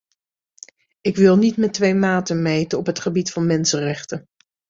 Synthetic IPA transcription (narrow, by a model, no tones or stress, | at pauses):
ɪkʋɪlˠnitmɛtʋejmaːtənmejtəɔpɦətχəbitfɑnmɛnsənrɛχtən